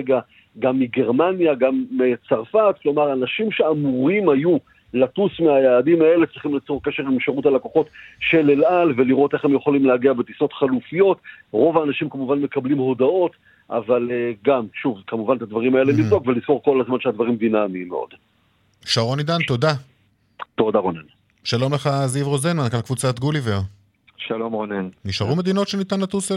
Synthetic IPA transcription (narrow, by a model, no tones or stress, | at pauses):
eɡa | ɡamːiɡe̞ʁmanjaɡamːit͡saʁfat̚klo̞maʁanaʃimʃe̞amuʁimhaju | latusmeajaːdimae̞let͡sʁiχimlet͡soʁke̞ʃe̞ʁimʃeʁutalakoχo̞tʃe̞lelalve̞liʁo̞te̞χemjeχolimlehaɡiabet̪iso̞t̪χalufijo̞tʁo̞vaːnaʃimkamuvanme̞kablimho̞dao̞t | ʔa̰valeɡamʃuvkamuvant̪ad̪vaʁimaelenivdo̞kveliz̥ko̞ʁko̞lazmanʃead̪vaʁimvinamiːmːḛo̞̰d̪̥ | ʃaʁo̞nid̪ant̪o̞da | t̪o̞daʁonen | ʃalo̞mle̞χazivʁo̞zenmankalkvut͡sat̪ɡuliveʁ | ʃalo̞mʁonenniʃaʁume̞d̪ino̞tʃenit̪anlat̪use